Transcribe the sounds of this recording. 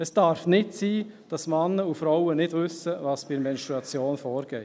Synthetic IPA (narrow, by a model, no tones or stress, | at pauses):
ɛsd̥ɑɾfnɪtsiː | d̥ɑsmɑnəufɾaʊənɪdvʏsəvɑːsb̥imɛnstɾuɑt͡sjoːnfoːɾɡ̥ɛːt